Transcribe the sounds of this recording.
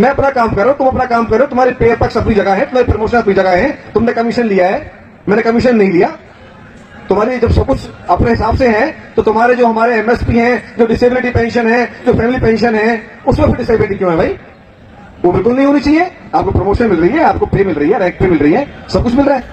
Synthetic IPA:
mɛ̃ːɐpnakaːmkɐɾeot̪ʊ̃mɐpnakaːmkɐɾeot̪ʊmɦaːɾipeːpɐksɐpnid͡ʒɐɡaɦɛ̃t̪ʊm̤ɦaːɾipɾomoːʃənɐpnid͡ʒɐɡaɦɛ̃t̪ʊmnekɐmɪʃənlijaɦɛː | mɛ̃ːnekɐmɪʃənːɐɦĩlijaː | t̪ʊmaːɾid͡ʒɐbsɐb̚kʊt͡ʃʰɐpneɦɪsaːbseɦɛ̃t̪ot̪ʊmɦaːɾed͡ʒoːɦɐmaːɾeɛmɛspiɦɛ̃d͡ʒoːɖɪseːbɪlɪʈ̬ipɛ̃ːnʃənɦɛ̃d͡ʒoːfʰɛːmɪlipɛ̃ːnʃənɦɛ̃ | ʊsmẽpɪɾɖɪseːbɪlɪʈikjõːɦɛ̃bʱaːi | ʋoːbɪlkʊlnɐɦĩɦoːnit͡ʃaːɦieaːp̚kopɾomoːʃənmɪlɾɐɦiɦɛaːp̚kopeːmɪlɾɐɦiɦɛɾɛ̃ːk̚pemɪlɾɐɦiɦɛːsɐb̚kʊt͡ʃʰmɪlɾaːɦɛː

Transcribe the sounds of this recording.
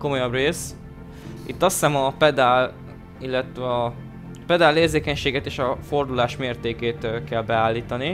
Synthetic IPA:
ko̞mo̞jɒbreːs | it̪ːɒsːɛmɒpɛd̪aːl | ilːɛt̪ʋɛɒ | pɛd̪aːlːeːrzeːkɛɲʃeːɡɛt̪eːʃɒfo̞rd̪ulaːʃmeːrt̪eːkeːt̪kɛlbɛaːlːiːt̪ɒni

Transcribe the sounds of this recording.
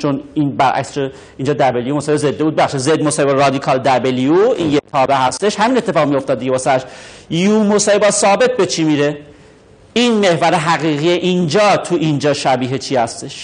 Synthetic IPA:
t͡ʃʰoninbæɾʔæ̰kst͡ʃo | ind͡ʒɒːd̪æbelijumosɒheezed̪ːeud̪̚beæχʃid̪zed̪mosɒːhebæɾɾɒːd̪ikʰɒːld̪æbelioḭnjet̪ʰɒːbeɦæst̪e̞ʃhæmiːne̞t̪ʰːe̞fɒːɣmijo̞ft̪ɒd̪ːiɡeɒsææʃjuːmosɒːhe̞bɒːsɒːbe̞t̪̚ʰbe̞t͡ʃʰiːmiːɾe | inme̞hvæɾe̞ɦæɣiːɣijeʔind͡ʒɒːt̪ʰuʔind͡ʒɒːʃæbiːɦet͡ʃʰihæst̪e̞ʃ

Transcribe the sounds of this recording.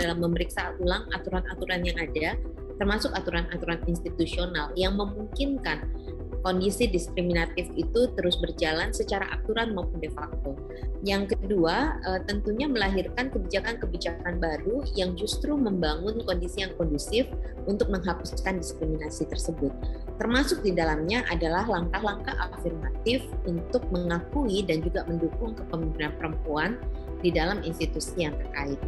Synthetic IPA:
dalamːəməɾiksaulaŋa̰t̪uɾanat̪uɾanjaŋada | t̪ərmasʊkat̪uɾanat̪uɾaninst̪it̪usionaljaŋməmuŋkɪnkan | kɔndisidiskɾiminat̪ɪfit̪ut̪əɾʊsbərd͡ʒalansət͡ʃaɾa̰ʔa̰k̚t̪uɾanmaupʊndefak̚t̪o | jaŋkəduaət̪ənt̪uɲaməlaɦirkankəbid͡ʒakankəbid͡ʒakanbaɾujaŋd͡ʒust̪ɾuməmbaŋʊnkɔndisijaŋkɔndusɪf | unt̪ʊk̚məŋɦapuskandiskɾiminasit̪ərsəbʊt̪̚ː | ərmasʊk̚didalamɲaʔadalaɦlaŋkaɦlaŋkahafirmat̪ɪfunt̪ʊk̚məŋakuidand͡ʒuɡaməndukʊŋkəpəmimbinanpəɾəmpuandidalaminst̪it̪usijaŋt̪ərkaɪt̪̚

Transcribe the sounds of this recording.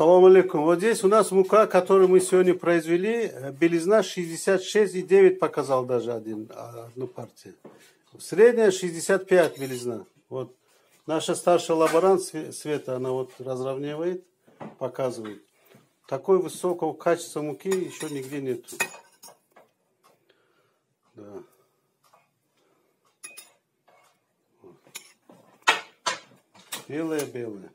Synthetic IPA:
sɐlˠomɐlʲekumvot̪zʲdʲesʲʊnasmʊkakɐt̪o̞ɾɨjmɨsʲɪvʲo̞dʲnʲəpɾəɪzvʲɪlʲibʲɪlʲɪznaʂɨzʲdʲɪsʲat̪ʂɛsʲtʲidʲe̞vʲɪt̚ʲpɐkɐzalˠd̪aʐɨɐd̪ʲinɐ̰d̪̚nupʰartʲɪjʊ | sʲɾʲedʲnʲəjəʂɨzʲdʲɪsʲat̪̚pʲjæt̪ʲbʲɪlʲɪzna | vot̪ | naʂəst̪arʂɨjlˠɐbɐɾant̪ssʲvʲe̞t̪əːnavot̪rɐzrɐvnʲivəjɪt̪ | pɐkazɨvəjɪt̪ | t̪ːɐko̞jəvɨso̞kəvəkʰat͡ʃɪ̥st̪vəmukʲijɪɕːonʲɪɡdʲenʲe̞t̪ʊ | d̪a | vo | b̥ʲelˠəjəbʲe̞lˠəjə

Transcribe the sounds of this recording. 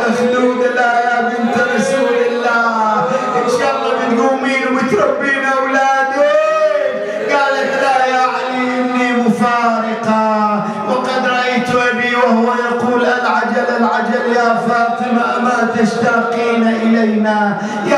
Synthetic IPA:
ad͡ʒd̪uːd̪alʔaːjaːbɪnt̪ɾˤɑsuːlalːaːhʔɪʃaɣːamɪt̪ɡuːmiːnmʊt̪ɾˤɑbːiːnʔawlaːd̪i | ɡaːlat̪lajaːʕaliʔɪmnːiːmʊfɑːɾɪqɑ | wɑqɑd̪ɾˤɑʔajt̪ʊʔabiːwahʊwajɑquːlʔanʕad͡ʒalalʕad͡ʒaljaːfɑːt̪ˤɨmaʔamat̪aʃt̪ɑːqiːnaʔɪlajna | ja

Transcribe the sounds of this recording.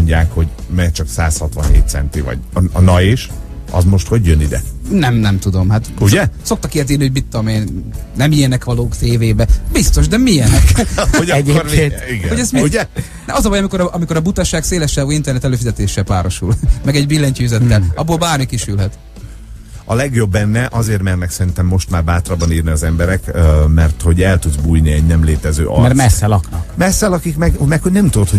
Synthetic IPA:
oɲɟa̰ːkho̞ɟmɛt͡ʃɒksa̰ːshɒt̪ʋɒ̰nhḛːt̪t̪sɛ̰nt̪ivɒ̰ɟɒnɒjeʃ | ɒ̰zmo̞ʃt̪ho̞ɟjønid̪ɛ̰nɛmnɛmt̪ud̪o̞mhat̪uɟɛso̞k̚t̪ɒkiɛt̪̬eːrniho̞ɟbit̪ːomeːnnɛmijɛnɛkʋɒloːkt̪eːveːbɛbist̪o̞ʒd̪ɛmiɛnoɛeeːniɡɛhoɟɛst̪miuɟɛ | nɛʔɒzɒvɒjɒmiko̞ɾɒʔɒmiko̞ɾɒbut̪ɒʃaːkseːlɛʃːaːɡuint̪ɛrnɛt̪ɛløːfizɛt̪eːʃːɛlpaːɾo̞ʃṵlmɛɡɛɟbilːɛɲciyzɛt̪ːɛlɒbːolbaːrmikiʃylɦɛt̪ | ɒlɛɡjo̞bːɛnːɛʔɒzeːrmɛrnɛksɛɾint̪ɛmːo̞ʃt̪maːrbaːt̪rɒbɒniːrniɒzɛmbɛɾɛkmɛrt̪ho̞ɟɛlt̪ud̪zbujniɛɟnɛmleːt̪ɛzø̰ːʔɒ̰mmɛrtmɛsːɛlɒknɒmɛsːɛlɒkikmɛɡmɛkho̞ɟnɛmt̪ud̪ot̪ho

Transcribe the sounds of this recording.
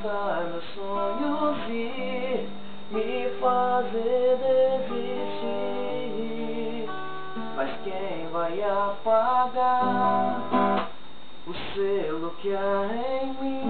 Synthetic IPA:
t̪aɾmewsoɲʊzi | mɪ | fazed̪ezi | st͡ʃi | majskẽvajapaɡa | ʊselʊkɪa | ẽj̃mĩ

